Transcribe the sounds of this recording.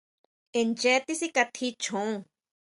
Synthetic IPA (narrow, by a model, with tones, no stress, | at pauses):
e˨nt͡ʃɛ˧˦t̪i˦si˦ka˧t̪ʰi˦t͡ʃʰõ˧